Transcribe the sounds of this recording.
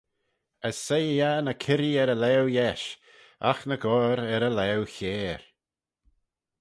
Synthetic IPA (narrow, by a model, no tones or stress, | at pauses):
əsːejjanəkʰɪɾiɛɾəlɛwjɛʃ | a̰xnəɡɔːɾɛɾəlɛwçeːɹ